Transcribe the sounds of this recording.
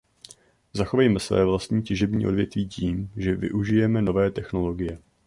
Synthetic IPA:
zaxovajmɛsvɛ̰ːvlast̪ɲiːcɪʒɛbɲḭːʔo̞dvjɛt̪viːciːmʒɛvɪ̰ʔuʒɪjɛmɛno̞vɛːt̪ɛxno̞lo̞ɡɪjɛ

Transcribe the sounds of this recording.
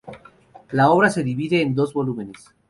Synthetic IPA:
lao̞β̞ɾase̞ðiβiðeːnd̪o̞zβo̞lumẽnes

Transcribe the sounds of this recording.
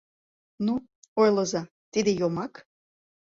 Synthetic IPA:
nuojləzɑ | t̪id̪ejomɑk

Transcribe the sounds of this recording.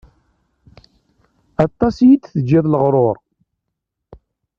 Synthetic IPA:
ɑt̪ˤːɑsjit͡sːθəd͡ʒːiðˤləʁɾˤoɾˤ

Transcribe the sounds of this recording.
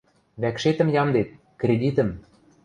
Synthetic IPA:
βækʃet̪ə̆mjɑmd̪et̪̚ | krʲed̪ʲit̪ə̆m

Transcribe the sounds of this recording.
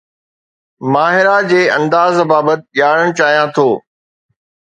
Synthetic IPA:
maːɦɪɾad͡ʑeːɐ̃nd̪aːzbaːbət̪̚ɪʄaːɽ̃əɽ̃t͡ɕaːɦijãt̪ʰoː

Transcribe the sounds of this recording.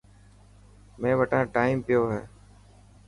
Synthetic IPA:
mẽːʋəʈãːʈaːiːmpɪjoːɦɛ̰ː

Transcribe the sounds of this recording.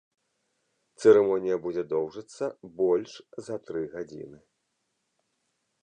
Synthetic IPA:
t̪sɛɾɛmɔnʲijɐbud͡zʲɛd̪ɔwʐɐt̪sːɐbɔlʲʂzɐt̪ɾɨɣad͡zʲḭnɨ

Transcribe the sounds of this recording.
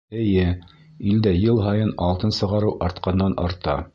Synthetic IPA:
ɘ̆jɘ | ild̪æjɤlˠɦɑjɤnɑlˠt̪ɤnsɤ̆ʁɑɾɤwʔɑɾt̪qɑnd̪ɑnɑ̰ɾt̪ɑ̰

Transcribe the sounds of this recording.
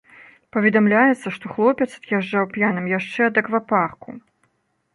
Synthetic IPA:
pɐvʲɛd̪amlʲajɛt̪sːɐʂt̪ɔxlˠɔpʲɛt̪sɐ̥d̪jaʐd͡ʐawpʲjanɐmjaʂt͡ʂɛɐd̪ɐkvaparku

